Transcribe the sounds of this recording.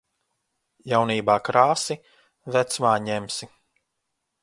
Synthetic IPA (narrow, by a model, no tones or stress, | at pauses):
jawniːbaːkɾaːsi | væt̪smaːɲɛmsi